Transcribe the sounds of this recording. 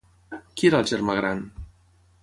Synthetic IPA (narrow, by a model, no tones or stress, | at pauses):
kieɾalʒɛɾmaɣɾan